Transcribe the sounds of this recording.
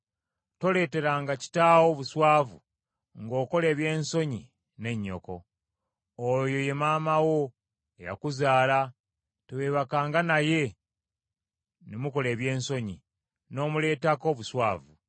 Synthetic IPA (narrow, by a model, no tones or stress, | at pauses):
to̞le̞ːte̞ɾaːŋɡaci̥taːwo̞ːβuswaːvu | ŋɡo̞ːko̞le̞ːβje̞ːnso̞ɲi | ne̞ɲːo̞̰ko̞̰ː | jo̞je̞maːmawo̞ | eja̰kuzaːla | teweːβakaːŋɡanaje̞ | nemuko̞le̞ːβje̞ːnso̞ɲḭ | no̞ːmule̞ːtako̞βuswaːvu